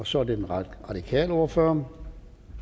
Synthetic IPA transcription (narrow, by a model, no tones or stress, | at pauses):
ɒ̽sɒ̽æɐde̝denʁɑ̈d̥ikʰɛ̰ːləo̝ɐføːɐ